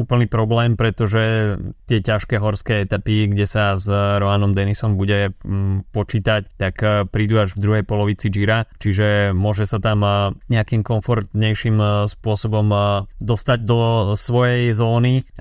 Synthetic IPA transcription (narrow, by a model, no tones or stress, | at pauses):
uːpl̩niːpɾɔblɛːmpɾɛt̪ɔʒɛt̪ɪɛcaʃkɛːɦɔɾskɛːɛt̪apiɡɟɛsazɾɔanɔmd̪ɛnisɔmbuɟɛpɔt͡ʃiːt̪act̪akpɾiːd̪uːaʒvd̪ɾuɦɛjpɔlɔʋit͡sid͡ʒiɾat͡ʃiʒɛmʊɔʒɛsat̪amɲɛakiːmkɔɱfɔɾt̪ɲɛjʃimspʊɔsɔbɔmd̪ɔst̪aɟd̪ɔsʋɔjɛjzɔːni